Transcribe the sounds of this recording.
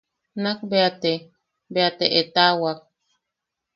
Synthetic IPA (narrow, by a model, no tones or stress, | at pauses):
nak̚beat̪e | beat̪ḛʔet̪awak̚